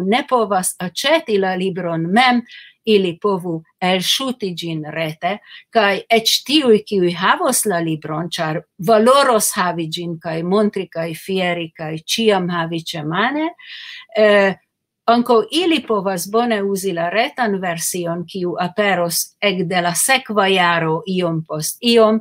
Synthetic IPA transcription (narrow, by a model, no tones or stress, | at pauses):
ne̞po̞vasat͡ʃetilalibɾo̞nme̞m | ilipo̞vu | elʃutid͡ʒinɾe̞te̞kajet͡ʃtiujkiujɦavoslalibɾo̞nt͡ʃaɾvalo̞ɾo̞shavid͡ʒinkajmont̪ɾikajfieɾikajt͡ʃiamhavit͡ʃemane | aŋkowʔilipo̞vasbo̞ne̞uzilaɾet̪anveɾsio̞nkiuʔapeɾosekd̪e̞lasekvajaɾo̞ʔio̞mpo̞st̪io̞m